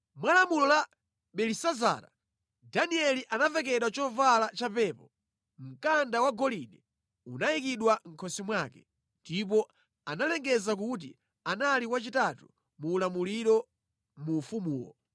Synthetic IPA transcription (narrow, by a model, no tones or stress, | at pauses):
mwalamulɔla | ɓɛlisaza̰ːɾa̰ | daniɛliʔanavɛk̬ɛɗwat͡ʃɔvalat͡ʃapɛːpɔ | m̩kandawaɡɔlinɛ | unajikiɗwaŋ̩kʰɔsimwaːkɛ̥ | ndip̬ɔ | analɛŋɡɛzak̬ut̬ḭ | analikwat͡ʃitatu | muːlamuliɾɔ | muːfumuːwɔ̰